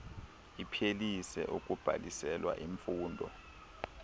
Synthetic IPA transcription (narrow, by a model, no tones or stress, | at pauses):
ipʰelisɛ̰ʔuk̬ʼub̥ʱa̰lisɛlwa̰ʔiɱfuːndʱɔ̰